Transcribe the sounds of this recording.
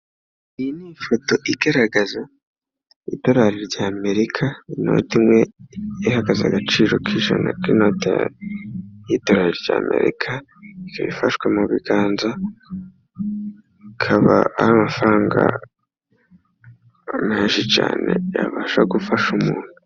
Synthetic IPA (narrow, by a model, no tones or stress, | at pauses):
ijinifoto̞ʔiɡaɾaɡaza | ḭdo̞ɾaɾiɾɟaːme̞ɾikʰaino̞̰timwe̞ihaɡaza̰ɡat͡ʃiːɾo̞kʰiʒa̰na̰kino̞ːtia̰ | jido̞ɾaɾiɾɟa̰ːme̞̰ɾḭkʰa | ikʰaβifaʃkwemuβiɡaːnza | ikʰaβa̰ahamafɾaːŋɡa̰ | meːʒit͡ʃa̰ːne̞̰jaβaːʃaɡufaʃumuːn̥u